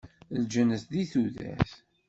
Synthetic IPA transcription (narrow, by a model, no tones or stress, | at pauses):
ld͡ʒənəsd̪iθuðæ̰θ